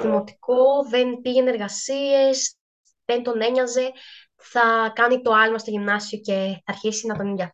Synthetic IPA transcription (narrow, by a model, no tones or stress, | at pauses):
ðimo̞t̪i̥ko̞ðenpiʝe̞ne̞ɾɣɐsie̞s | ðe̞nt̪o̞ne̞ɲɐze̞ | θɐkɐnit̪o̞ɐlmɐst̪o̞ʝimnɐsio̞ce̞θɐːɾçisinɐt̪oniʝɐ